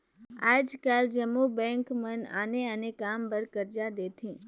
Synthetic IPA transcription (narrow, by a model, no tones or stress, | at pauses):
ad͡ʒkald͡ʒəmubɛ̃ŋkməna̰neənekambəɾkəɾd͡ʒad̪et̪ʰĩ